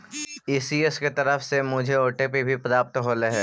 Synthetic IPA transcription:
iːsiesket̪ɐɾəfsemʊd͡ʒʱeoːʈepebʱipɾaːp̚t̪ɦoːleɦɛː

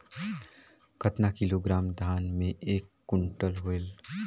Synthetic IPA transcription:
kʰət̪nakɪloɡɾaːmd̪ʱaːnmẽʔeːkːʊɳʈəlɦoel

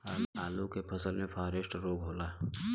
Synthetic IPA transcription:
aaːlukepʰɐsəlmẽpʰaːɾesʈɾoːɡɦoːlaː

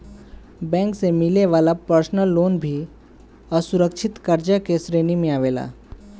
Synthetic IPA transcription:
bɛ̃ːŋksemɪleʋaːlapəɾsnəlːoːnbʱi | ɔɾsʊɾəkʃʰɪt̪kɐɾd͡ʒakesɾeːnimẽaːʋeːla̰ː

